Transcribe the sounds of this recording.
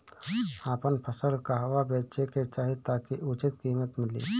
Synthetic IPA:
aːpənpʰəsəlkaɦʋabeːt͡ʃeket͡ʃaːɦit̪aːkiʔʊt͡ʃɪt̪kiːmət̪mɪlḭː

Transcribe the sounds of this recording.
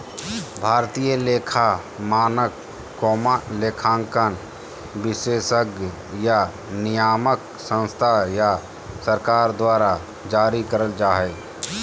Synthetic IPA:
bʱaːɾt̪ijəleːkʰa | maːnəkː | oːmleːkʰãːŋkən | bɪseːsəɡ | ja | nɪjaːmək | sə̃nst̪ʰaja | səɾkaːɾd̪waːɾa | d͡ʒaːɾikəɾəld͡ʒaːɦɛ

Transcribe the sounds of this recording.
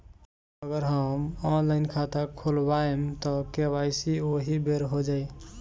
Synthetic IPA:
əɡəɾɦəmɔnlaɪnkʰat̪akʰolbaemt̪ɔkeβajsioɦibeɾɦod͡ʒai

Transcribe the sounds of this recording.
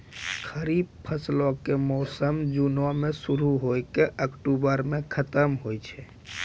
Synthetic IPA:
kʰəɾib̚pʰəslokemɔːsəmd͡ʒunʋamẽsʊɾuɦojkeʔəkʈubəɾmẽkʰət̪əmɦojt͡ʃʰɛ

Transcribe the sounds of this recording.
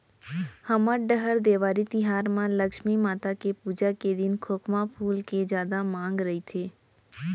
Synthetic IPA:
həməɖəɦəɾd̪eːʋaːɾit̪ɪɦaːɾmãləkʃmimaːt̪akepuːd͡ʒaked̪ɪnkʰoːkʰmapʰuːlked͡ʒjaːd̪amãːŋɡɾəɦit̪ʰeː

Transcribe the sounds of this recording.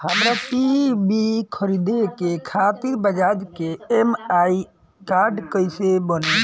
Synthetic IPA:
həmɾapibikʰəɾid̪ekekʰat̪iɾbəd͡ʒad͡ʒkeemai | kaɾɖkəjsebəne

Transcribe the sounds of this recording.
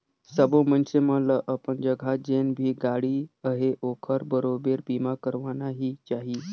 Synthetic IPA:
səbomənsemələʔəpəɳd͡ʒəɡʱad͡ʑenbʱiːɡaɽiːəɦeʔokʰəɾbəɾobeɾbimakəɾʋanaɦiːt͡ʃaɦiː

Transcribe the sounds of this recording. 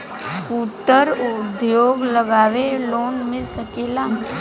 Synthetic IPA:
kuːʈəɾd̪joːɡləɡaːʋeloːnmɪlsəkeːla

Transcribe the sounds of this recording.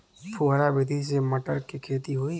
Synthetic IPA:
pʰuɦɾabɪd̪ʱis̬eməʈəɾkikʰeːt̪iɦoi

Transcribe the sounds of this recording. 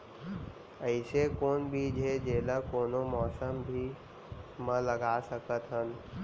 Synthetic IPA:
əɪsekoːnbʱid͡ʒʱed͡ʒeːlakoːnomɔːsəmbʱi | mə̃ləɡaːsəkət̪ɦən

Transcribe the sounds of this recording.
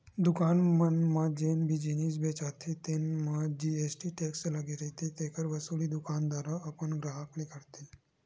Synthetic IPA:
d̪ukanmənmad͡ʒenbʱid͡ʒiniːsbet͡ʃat̪ʰit̪enmad͡ʑiesʈiʈekslaɡiɾət̪it̪ekəɾʋəsuliːd̪ukand̪aɾaəpəɳɡɾaɦaklikəɾt̪i

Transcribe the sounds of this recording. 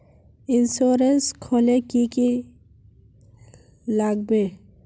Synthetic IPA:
ɪnsoːɾenskʰolekiki | laɡ̚be

